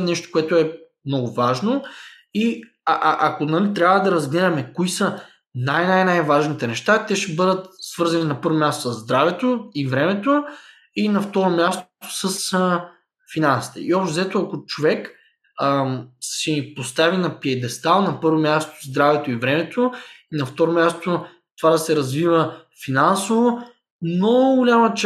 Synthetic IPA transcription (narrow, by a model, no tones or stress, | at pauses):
nɛʃt̪o̥koɛt̪ʊɛ | mnɔɡʊvaʒno | i | ʔʔɐkonɐt̪ɾʲjabvəd̪ɐɾɐzɡlɛd̪ɐmɛkoisə | najnajnajvaʒnit̪ɛnɛʃt̪at̪ɛʃɛbɤd̪ət̪svɤɾzɐninɐpɤɾvomʲast̪o̥səzːd̪ɾavɛt̪oivɾɛmɛt̪o | inɐft̪ɔɾomʲjast̪səsə | finansi̥t̪ɛ̰iɔpʃt̪ozɛt̪oɐkʊt͡ʃovɛk | əsɛipost̪avinɐpiɛd̪ɛst̪alˠnɐpɤɾvomʲjast̪o̥zd̪ɾavɛt̪oivɾɛmɛt̪oinɐft̪ɔɾomjast̪o | t̪ovad̪ɐsɛɾɐzvivəfinansovo | noɡolʲamɐt͡ʃ